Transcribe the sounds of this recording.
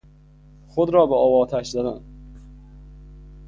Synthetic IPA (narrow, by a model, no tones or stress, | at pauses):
χod̪ɾɒːbeɒːvɒːt̪ʰæʃzæd̪æn